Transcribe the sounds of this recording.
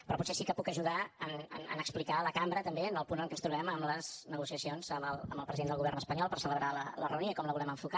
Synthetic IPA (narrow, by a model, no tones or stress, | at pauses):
pɾɔputsesikəpukəʒuðaənə̰nə̰nəksplikaləkambɾət̪əmbeənəlˠpunəŋkɛnst̪ɾuβɛməmləznəɣusiəsionzəməlˠə̰mbəlˠpɾəziðend̪lˠɣuβɛrnəspəɲɔlˠpəɾsələβɾalələrəunoikɔmləβulɛmə̃ɱfuka